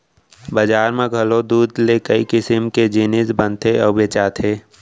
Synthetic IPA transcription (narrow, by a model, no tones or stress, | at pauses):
bad͡ʒaːɾmẽɡʱɐlod̪uːd̪lekəikɪsɪmked͡ʒiːnɪsbə̃nt̪ʰeɔːbeːt͡ʃaːt̪ʰeː